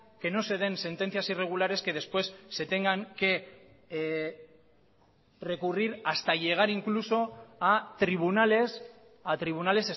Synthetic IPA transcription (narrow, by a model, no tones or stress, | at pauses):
ke̞no̞se̞ð̞e̞nse̞nt̪e̞nθiasire̞ɣ̞ulaɾe̞ske̞ðe̞spwe̞sːe̞t̪e̞ŋɡaŋke̞ | re̞kuriɾast̪aʝe̞ɣ̞aɾiŋkluso̞at̪ɾiβ̞unales | at̪ɾiβ̞unale̞se